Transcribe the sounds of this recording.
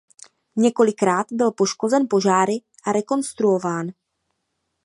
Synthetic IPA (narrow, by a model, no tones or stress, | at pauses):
ɲɛko̞lɪkɾaːt̪bɪlpo̞ʃko̞zɛnpo̞ʒaːɾɪ | ʔaɾɛko̞nst̪ɾuo̞vaːn